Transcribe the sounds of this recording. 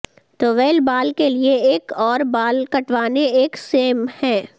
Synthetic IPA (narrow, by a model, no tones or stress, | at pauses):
t̪oːʋeːlbaːlkelieeːkɔːɾbaːlkɐʈʋaːneeːkseːmhɛ̃ː